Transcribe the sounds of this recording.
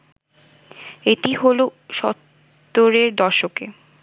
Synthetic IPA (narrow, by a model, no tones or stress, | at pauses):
eʈiɦoloʃɔt̪ː | oɾeɾd̪ɔɾʃokḛ